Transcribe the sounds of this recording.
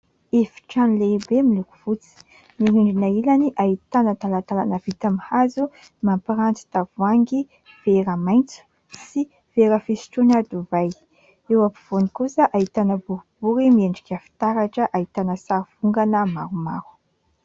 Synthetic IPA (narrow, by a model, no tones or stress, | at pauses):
efi̥ʈ͡ʂanleibemilukuv̥ut͡si̥ | niɾiɳɖ͡ʐinailaniʔait̪anət̪alat̪alanəv̥it̪amihazu | mampiɾant͡si̥t̪avuaŋɡi | veɾamajnt͡su̥ | si | v̥eɾəfesi̥ʈ͡ʂunad̪uvaj | ewapi̥v̥onikusəʔait̪anəbuɾub̥uɾimieɳɖ͡ʐikʲafi̥t̪aɾaʈ͡ʂəʔait̪anəsaɾiv̥uŋɡanəmaɾuma̰ɾu̥